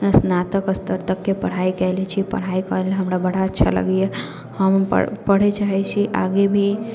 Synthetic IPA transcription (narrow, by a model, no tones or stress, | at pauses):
snat̪əkəst̪əɾt̪əkːepəɽ̤aikɛlɛt͡ʃʰipə̰ɽ̤aikəlɦəmɾabəɽ̤aətːʃʰa̰lə̰ɡje | həmə̰pəɽ̤et͡ʃaɦɛt͡ʃʰiʔa̰ɡebʱi